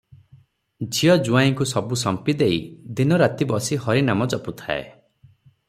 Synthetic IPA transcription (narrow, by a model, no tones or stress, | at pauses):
d͡ʒijɔd͡ʒuajĩŋkusɔbusɔmpid̪eid̪inɔɾat̪ibɔsihɔɾinamɔd͡ʒɔput̪ʰa̰ḛ